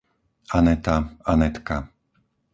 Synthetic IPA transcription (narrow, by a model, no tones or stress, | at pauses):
anɛt̪aanɛt̪ka